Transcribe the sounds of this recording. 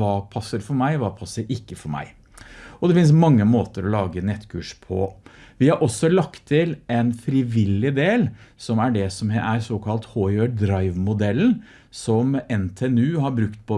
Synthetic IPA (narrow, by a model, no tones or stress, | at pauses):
ʋɑːpʰɑsːəɾfɔɾmæɪʋɑːpʰɑsːəɾɪkːəfɔɾmæ̰ɪ | ɔd̪ɛfɪns̬mɑŋːəmoːt̪əɾɔlɑːɡənɛt̪ːkʰʉːʂpʰɔ̰ʋɪhɑɾʔɔsːɔlɑkt̪ʰːɪlɛnfɾɪʋɪlːɪd̪eːlsɔmæɖɛsɔmʔæɾsoːkʰɑlt̪hoːøːɖ̪ɾɑɪʋmʊd̪ɛln | sɔmɛnt̪ʰeːɛnʉːhɑɾbɾʉkt̪̚pʰɔ